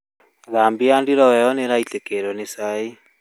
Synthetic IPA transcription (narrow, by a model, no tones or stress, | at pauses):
ðambiandiɾɔwɛɔneɾaitekeɾɔnesai